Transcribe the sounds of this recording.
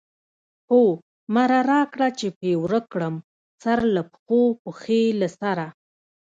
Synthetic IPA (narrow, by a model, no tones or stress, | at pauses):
ho | maɾaɾɑkɽat͡ʃepewɾəkɽəm | saɾlapxopəxelasaɾa